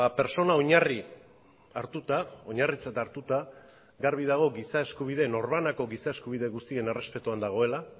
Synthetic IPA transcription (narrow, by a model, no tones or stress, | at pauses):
ape̞ɾso̞naoɲari | aɾt̪ut̪ao̞ɲarit͡sat̪aɾt̪ut̪a | ɡaɾβ̞ið̞aɣ̞o̞ɡisae̞skuβ̞iðe̞no̞ɾβanako̞ɣisae̞skuβ̞ið̞e̞ɣust̪ie̞ne̞re̞spe̞t̪uand̪aɣ̞o̞e̞la